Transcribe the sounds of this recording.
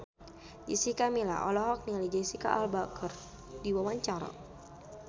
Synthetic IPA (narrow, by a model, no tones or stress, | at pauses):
ḭsikamila̰ʔɔ̰lɔɦɔk̚nialid͡ʒaisika̰ʔalbakʰər | diwawaɲt͡ʃaɾa̰